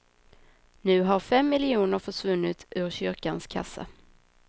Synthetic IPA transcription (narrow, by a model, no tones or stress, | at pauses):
nʉ̟ːɦaɾfɛmːɪlɪuːnəɾfœʂvɵnːɪt̪ʉ̟ːɾɕʏɾkanskʰa̰sːa̰